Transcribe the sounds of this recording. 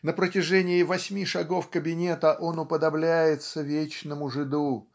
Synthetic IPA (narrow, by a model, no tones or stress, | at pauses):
nəpɾətʲɪʐɛnʲɪɪvɐsʲmʲiʂɐɡo̞fkəbʲɪnʲe̞t̪əʔo̞nʊpəd̪ɐblʲæjɪt̪səvʲet͡ɕnəmʊʐɨd̪u